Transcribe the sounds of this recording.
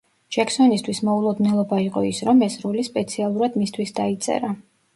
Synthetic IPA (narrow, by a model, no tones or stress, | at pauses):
d͡ʒ̥ɛksɔnist̪ʰwismɔulˠɔd̪nɛlˠɔbaiqʼɔ̰isɾɔmɛsɾɔlispʼɛt̪sʰialˠuɾad̪mist̪ʰwisd̪ait̪sʼɛ̰ɾa